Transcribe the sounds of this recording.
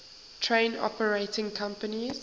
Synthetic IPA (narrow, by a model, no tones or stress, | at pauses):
tʰɹẽɪ̃nɔ̰pəɹetɪ̃ŋkʰãmpəniz